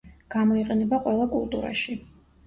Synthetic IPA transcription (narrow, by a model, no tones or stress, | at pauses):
ɡ̥amɔiqʼɛnɛbaqʼwɛlˠakʼṵlˠt̪ʼṵɾa̰ʃi